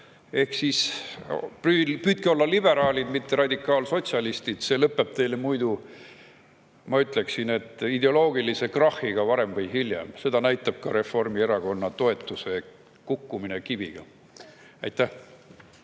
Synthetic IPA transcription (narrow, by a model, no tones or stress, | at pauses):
e̞hksis | pypyːt̪̚kio̞lːɑlibe̞ɾɑːlʲid̪mit̪ːe̞ɾɑd̪ʲikːˑɑːlso̞t̪ʲsʲɑlist̪id̪̥se̞ːlɤpːe̞b̥̚t̪e̞jlemujd̪u | mɑyt̪ˑle̞ksine̞t̪ːˑid̪e̞o̞lo̞ːɡ̥ilise̞krɑhːiɡ̥ɑvɑɾe̞mvɤjɦiljḛmse̞d̪̥ɑnæjt̪ːˑɑb̥̚kɑɾe̞fo̞rmieɾɑɡo̞nːɑt̪o̞e̞t̪ːˑuse̞ | kukːuminekib̥iɡ̥ɑ̰ | ɑjt̪ːˑæh